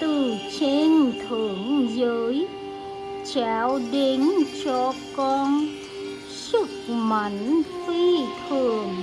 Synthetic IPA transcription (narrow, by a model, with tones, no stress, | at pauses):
t̪ɨ˨˩t͡ɕe˧nt̪ʰɨ˨˩˦əŋzəː˨˦j | t͡ɕaː˨˦wɗe˨˧˦nt͡ɕɔ˧kɔ˧n | sɨ˦˥k̚ma˨˦ŋtwi˧t̪ʰɨ˧˨˩əŋ